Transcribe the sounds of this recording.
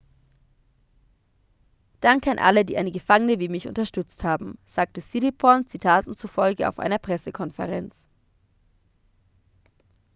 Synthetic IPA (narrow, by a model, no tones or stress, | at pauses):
d̥aŋkəanʔa̰lədiːʔa̰ɪnəɡəfaŋənəviːmɪçʔʊ̰ntɐʃtʏt͡sthaːbm̩z̥aːk̚təsilipʰɔnt͡sitʰaːtn̩t͡sufɔlɡəa̰ʊfʔa̰ɪnɐpʁ̥ɛsəkʰɔnfə̰ʁɛnt͡s